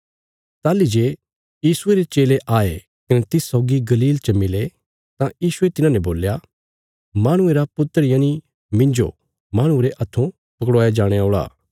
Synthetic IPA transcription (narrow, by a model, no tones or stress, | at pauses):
t̪aːlid͡ʒeː | jiːsʊeɾet͡ʃeːleʔaːe | kɐnet̪ɪsːɔːɡiɡɐliːlt͡ʃɐmɪle | t̪ãjiːsʊet̪ɪnãnɛboːlja | maːɽ̃ʊ̃eɾapʊt̪ːəɾɪjãːni | mɪ̃nd͡ʒo̰ | maːɽ̃ʊ̃eɾeʔɐt̪ʰːũ | pɐkɽaːjad͡ʒaːɽ̃eoːɭa̰ː